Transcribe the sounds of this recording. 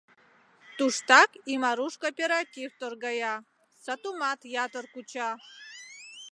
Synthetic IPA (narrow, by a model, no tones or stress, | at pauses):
t̪uʃt̪ɑkimɑɾuʃkopʲeɾat̪ʲift̪orɡɑjɑ | sat̪umɑt̪jɑt̪ərkut͡ɕɑ